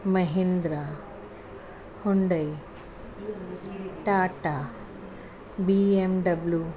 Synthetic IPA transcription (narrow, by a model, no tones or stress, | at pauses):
mɐɦend̪ɾa | hoɳɖɐj | ʈaːʈa | biemɖɐblju